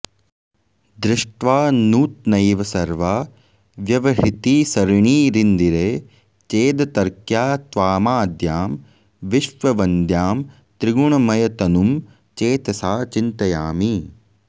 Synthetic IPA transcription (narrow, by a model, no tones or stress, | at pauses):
d̪ɾɪʂʈʋaːnuːt̪̚nɐjʋɐsɐɾʋaː | ʋjɐʋɐɦit̪isɐɾɳiːɾind̪iɾeː | t͡ʃeːd̪ɐt̪ɐɾkjaːt̪ʋaːmaːd̪jaːm | ʋiʃʋɐʋɐnd̪jaːm | t̪ɾiɡuɳɐmɐjɐt̪ɐnum | t͡ʃeːt̪ɐsaːt͡ʃint̪ɐjaːmi